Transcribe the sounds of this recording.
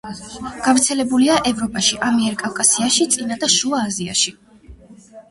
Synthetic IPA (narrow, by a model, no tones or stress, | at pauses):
ɡ̥avɾt̪sʰɛlɛbuliaʔɛvɾɔpʼaʃiʔamiɛɾkʼavkʼasiaʃit̪sʼinad̪aʃuaːzia̰ʃi